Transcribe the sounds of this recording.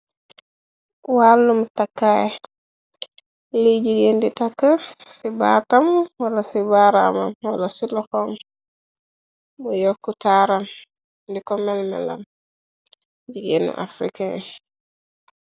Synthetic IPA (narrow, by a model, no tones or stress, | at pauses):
walːumtakːaj | lid͡ʒiɡenditakːəsiba̰tamwalasibaɾama̰mwalasilɔxɔm | bujɔkːutaɾam | dikɔmɛlmɛ̰la̰m | d͡ʒiɡenṵʔa̰fɾika̰